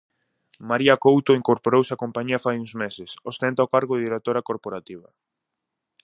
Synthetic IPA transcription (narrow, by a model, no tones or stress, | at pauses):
maɾiɐkowt̪oiŋkoɾpoɾowsakompaɲiɐfajuŋzmesɪsost̪ent̪aokaɾɣʊðɪðiɾek̚t̪oɾakoɾpoɾat̪iβɐ̰